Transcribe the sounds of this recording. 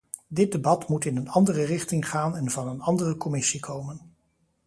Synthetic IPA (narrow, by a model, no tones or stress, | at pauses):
dɪd̚dəbɑtmutɪnənɑndərərɪχtɪŋχaːnɛnvɑnənɑndərəkɔmɪsikʰowmən